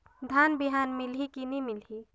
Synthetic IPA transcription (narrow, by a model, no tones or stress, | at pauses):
d̪ʱanbiɦanmilɦikinimilɦi